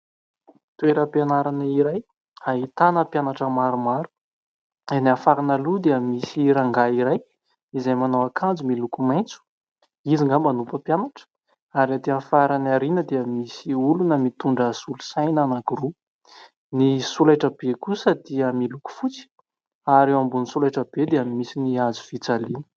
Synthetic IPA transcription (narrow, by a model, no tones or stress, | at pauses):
t̪ueɾəpanaɾanəiɾaj | aɦit̪anəpjanaʈ͡ʂəmaɾumaɾu̥ | enafaɾinalud̪eəmisiɾaŋɡaiɾaj | izajmanowakʰand͡zumilukumajnt͡su̥ | iziŋɡamanupəpjanaʈ͡ʂə̥ | aɾat̪eafaɾanaɾinəd̪eəmisiulunəmit̪uɳɖ͡ʐasulusajnanakuɾu | nisulajʈ͡ʂəbekusəd̪iəmiluku̥fut͡si̥ | aɾewambunisulajʈ͡ʂəbed̪eamimisiniazu̥fit͡salinə̥